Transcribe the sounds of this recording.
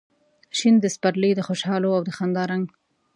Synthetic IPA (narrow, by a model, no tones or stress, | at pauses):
ʃind̪əspaɾləjd̪əxoʃɑloawd̪əxand̪ɑɾaŋɡ